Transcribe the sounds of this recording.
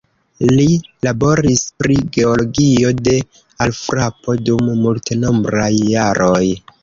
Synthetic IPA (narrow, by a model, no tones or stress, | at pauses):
lilabo̞ɾispɾiɡe̞olo̞ɡio̞de̞ | alfɾapo̞dumːulteno̞mbɾajːaɾo̞j